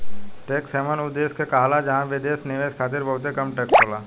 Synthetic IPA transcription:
ʈeːksɛːʋənʊd̪eːskekaːɦlad͡ʒɐɦãʋɪd̪eːsnɪʋeːʃkʰaːt̪̬ɪɾbɐɦʊt̪ekɐmʈeːkt͡ʃʰoːlaː

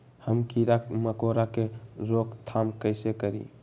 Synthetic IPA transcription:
həmkiɾakməkoɾakeɾokt̪ʰamkəɪsekəɾḭ

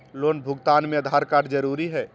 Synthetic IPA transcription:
lonbʱʊɡt̪anmẽəd̪ʱaɾkaɖd͡ʒəɾuɾiɦɛː

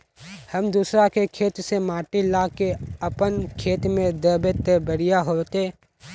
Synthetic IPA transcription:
həmd̪uːsɾakekʰeːt̪semaːʈilaːkeəpənkʰeːt̪mẽd̪əbet̪ebəɽijaɦoːt̪e

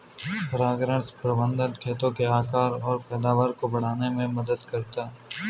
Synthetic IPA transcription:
pəɾaːɡɾə̃ɽ̃spɾɐbə̃nd̪ənkʰeːt̪õkeaːkaːɾɔːɾpɛːd̪aːʋaːɾkobɐɽ̤aːnemẽmɐd̪əd̪kɐɾt̪aː

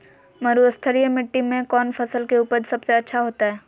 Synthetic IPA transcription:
mɐɾuːəst̪ʰəɾijəmɪʈːimẽkɔːnfʰɐsəlkeuːpəɾsɐbseɐtːʃʰaɦoːt̪aɦɛː

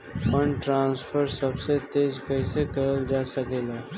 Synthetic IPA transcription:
fəɳʈɾãːnsfʰəɾsɐbset̪eːd͡ʒkəisekɐɾəld͡ʒaːsəkeːlaː

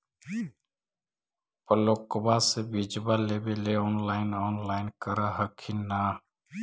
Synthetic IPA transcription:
pəloːkbasebid͡ʒbaleːbeleɔːnlaːɪnɔːnlaːɪnkəɾaɦəkʰinaː

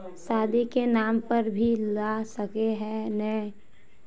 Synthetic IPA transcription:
saːd̪ekenaːmpəɾbʱilasəkeɦɛ̃nɛ

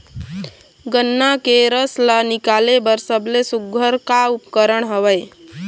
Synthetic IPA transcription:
ɡənːakeɾəslanikalebəɾsəblesuɡʱəɾkaupkəɾəɳɦəʋəj

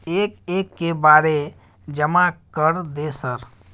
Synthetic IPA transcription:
eːkeːkːebaːɾe | d͡ʒəmakəɾd̪esəɾ

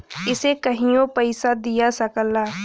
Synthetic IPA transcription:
ɪsekɐɦĩjõpɐɪsad̪ijasɐkəlːaː

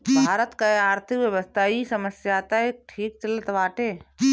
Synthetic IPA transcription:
bʱaːɾət̪kaeaːɾt̪ʰɪkʋjəʋəst̪ʰaːisəməsjaːt̪aeːk̚ʈʰiːk̚t͡ʃɐlət̪ʋaːʈeː

